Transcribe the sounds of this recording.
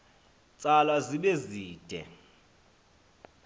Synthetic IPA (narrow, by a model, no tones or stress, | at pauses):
t͡sʼalaziɓeziːd̥ʱɛ̰